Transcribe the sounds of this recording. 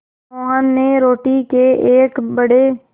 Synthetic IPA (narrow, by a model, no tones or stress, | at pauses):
oːə̃nːeːɾoːʈiːkeːʔeːkbəɽeː